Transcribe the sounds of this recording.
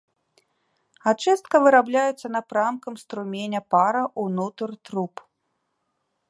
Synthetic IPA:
at͡ʂɨst̪̚kɐvɨɾablʲajɛt̪sːɐnɐpɾamkɐmst̪ɾumʲenʲɐpaɾɐʔunut̪rt̪ɾup

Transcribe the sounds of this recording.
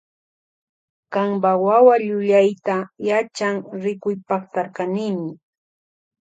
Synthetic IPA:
kaŋbawawaʎʊʎajt̪ajat͡ʃaŋɾɪkʊjpɑχt̪aɾkaniːmɪ

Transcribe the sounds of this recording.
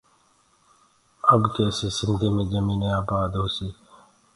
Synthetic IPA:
əbkeːəseːsɪnd̪ʱiːmẽːd͡ʒəmiːneaːbaːd̪ɦoːseː

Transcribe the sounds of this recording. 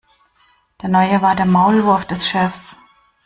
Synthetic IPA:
d̥eːɐnɔʏəvaːɐdeːɐmaʊlvʊɐfd̥ɛsʃɛfs

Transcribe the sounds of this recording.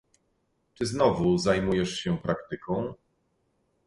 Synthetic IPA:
t͡ʂɘznɔvuzajmujɛʂɕɛpɾakt̪ɘkʰɔ̃w̃

